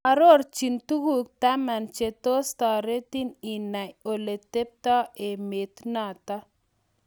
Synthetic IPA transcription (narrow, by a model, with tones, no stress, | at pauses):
a˨ɾo˦ɾt͡ʃi˨nt̪u˦huk̚t̪a˦ma˨nt͡ʃet̪o˦st̪a˨ɾe˦t̪i˦ni˨na˨jo˨le˨t̪e˦p̚t̪a˦e˨me˨t̪na˨t̪a